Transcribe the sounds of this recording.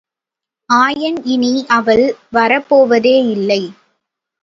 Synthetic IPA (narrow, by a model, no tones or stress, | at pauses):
aːjɐnɪniʔɐʋɐɭʋɐɾɐpːoːʋɐðeːɪlːɐɪ